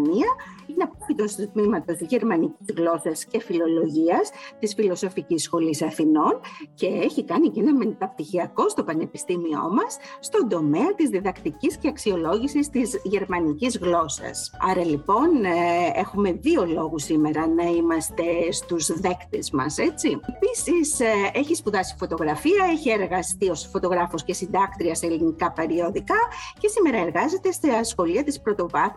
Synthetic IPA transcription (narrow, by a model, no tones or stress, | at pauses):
niɐineɐpoit̪o̞st̪ut̪mimɐt̪o̞st̪izʝe̞ɾmɐnicizɣlo̞sɐsce̞filo̞lo̞ʝiɐst̪isfilo̞so̞ficisːxo̞lisɐθino̞nce̞eçikɐnicenɐment̪ɐpt̪içiɐko̞st̪o̞pɐne̞pi̥st̪imio̞̰mɐsːt̪o̞nd̪o̞me̞ɐt̪izðiðɐkt̪icisceɐksio̞lo̞ʝisist̪izʝe̞ɾmɐnicizɣlo̞sɐ̰sɐɾɐlipo̞ne̞xume̞ðio̞lo̞ɣusime̞ɾɐnɐimɐst̪e̞st̪uzðe̞kt̪e̞zmɐ̰se̞t͡siepisiseçispuðɐsi̥fo̞t̪o̞ɣɾɐfiɐeçie̞ɾɣɐst̪io̞sfo̞t̪o̞ɣɾɐfo̞sce̞sind̪ɐkt̪ɾiɐseelinikɐpe̞ɾio̞ðikɐcesime̞ɾɐe̞ɾɣɐze̞t̪e̞st̪eɐsxo̞liɐt̪ispɾo̞t̪o̞vɐθ